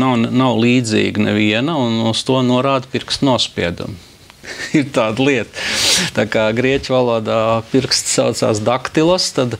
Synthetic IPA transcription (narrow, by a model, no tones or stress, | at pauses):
nawnnawlˠiːd̪zḭːɡnɛʋiɛnɐunust̪uɔnuɔɾaːd̪piɾkst̪nuɔspʲḭɛd̪ṵm | iɾt̪aːd̪lˠiɛt̪t̪aːkaːɡɾiɛcʲvalˠuɔd̪aːpiɾkst̪saʊt̪sa̰ːsd̪akt̪ilˠost̪ad̪